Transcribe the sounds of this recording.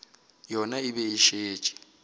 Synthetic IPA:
jɔnaibɛiʃeːt͡ʃʼɛ̥

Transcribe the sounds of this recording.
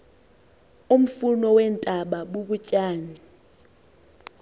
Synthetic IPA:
um̩funɔwɛntʼaɓaɓuɓucʼaːni

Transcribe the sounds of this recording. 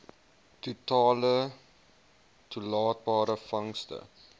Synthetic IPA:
tutɑːlə | tulɑːt̚bɑːɾəfɐŋstə̰

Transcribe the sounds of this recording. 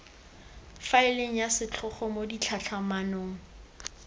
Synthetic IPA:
faɪleŋ̩jasɪt͡ɬʰʊχɔmodit͡ɬʰat͡ɬʰamanoːŋ̩

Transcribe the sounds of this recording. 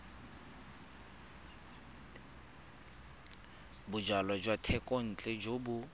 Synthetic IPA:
bʊd͡ʒalad͡ʒwatʰɛkʼɔn̩t͡ɬʼɛd͡ʒobʊ

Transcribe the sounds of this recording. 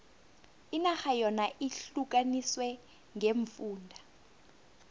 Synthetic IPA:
inaxajɔnaʔiɬuk̬ʼaniswɛ | ŋeɱfuːndʱa

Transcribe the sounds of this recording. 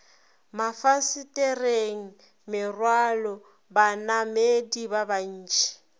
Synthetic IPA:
mafasitʼɛreŋ̩ | mɪrwalɔ | banamedibaban̩ːt͡ʃʰʼɛ̥

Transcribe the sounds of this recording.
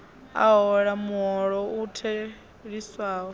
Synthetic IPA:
a̰ɦɔɺamuɦɔɺɔutʰɛ | ɺisaːɔ

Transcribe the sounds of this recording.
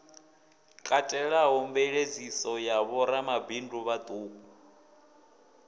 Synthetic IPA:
kʼatʼɛɺaɦɔmbɛɺed͡zisɔjaβɔɾamabindʱuβad̪ʼuːkuu

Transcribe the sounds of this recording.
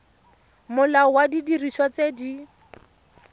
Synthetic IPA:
mʊlaɔwadidiriʃwat͡sedi

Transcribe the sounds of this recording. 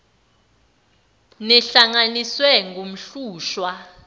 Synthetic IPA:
nɛɬaŋaniswɛŋɡom̩ɬuːʃwa

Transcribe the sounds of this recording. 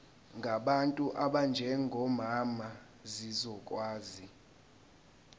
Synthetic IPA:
ŋɡʱaɓantʼuʔaɓand͡ʒʱɛŋɡʱɔmama | zizɔkʼwaːzi

